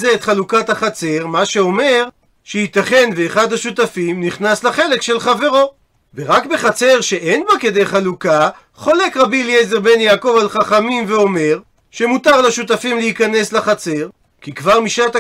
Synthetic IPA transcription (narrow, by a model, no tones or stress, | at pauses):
zeːt̪χalukathaχat͡se̞ʁmaʃeo̞me̞ʁ | ʃehit̪aχe̞nveːχad̪haʃut̪̬afimniχnasleχe̞lekʃe̞lχave̞ʁo̞ | veʁakbe̞χat͡se̞ʁʃe̞ʔejnbake̞d̪ejχaluka | χo̞le̞kʁabiljezeʁbe̞njaːko̞valχaχamimveo̞me̞ʁ | ʃe̞mut̪aʁlaʃut̪̬afimlehikane̞sleχat͡se̞ʁ | kikvaʁmiʃat̪a